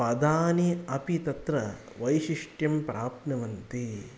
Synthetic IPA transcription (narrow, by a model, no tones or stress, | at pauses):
pɐd̪aːniɐpit̪ɐt̪ɾɐ | ʋɐjʃiʂʈjɐmpɾʔaːpnɐʋɐnt̪i